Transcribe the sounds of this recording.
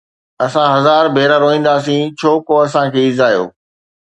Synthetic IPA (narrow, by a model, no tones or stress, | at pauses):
ɐsãɦɐzaːɾbʱeːɾaɾoːĩːn̆d̪aːs̬ĩt͡ɕʰoːkoɐsãkʰeːɪzaːjo̰ː